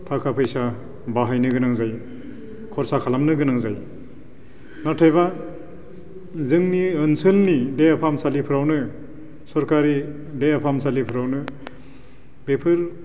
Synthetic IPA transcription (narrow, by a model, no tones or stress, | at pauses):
tʰakʰapʰɯjsa | baɦajnɯɡɯnaŋzaj | kʰɔɾsakʰalamnɯɡɯnaŋzaj | natʰajba | zɯŋniɯnsɯlnideapʰamsalipʰɯɾawnɯ | sɔɾkaɾi | deapʰamsalipʰɯɾawnɯ | bepʰɯɾ